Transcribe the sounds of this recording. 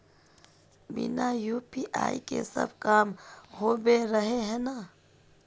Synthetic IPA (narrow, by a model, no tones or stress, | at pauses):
bḭnajuːpiʔa̰ːikḛsə̰bʱkaːmhoːbeɾəɦeɦɛna